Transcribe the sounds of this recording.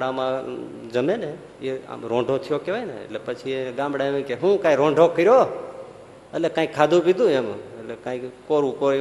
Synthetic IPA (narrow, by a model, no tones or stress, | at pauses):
ɽamãd͡ʒəmene | ea̰mɾõɳɖʱot̪ʰijokeʋajnə̰ḛʈlepət͡ʃʰieɡãmbɽaemikeɦũkãːiɾõɳɖʱokəɾjo | əlekãːikʰːad̪ũpid̪ũemelekãːikkoɾũko